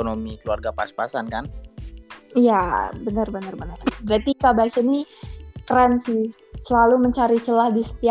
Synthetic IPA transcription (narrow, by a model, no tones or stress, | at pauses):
onomikəlua̰rɡapa̰spasankan | ijabənərbənərbənərbɾat̪ikabasinikɾɛnsi | səlaluməɲt͡ʃaɾit͡ʃəlahdisə̥t̪i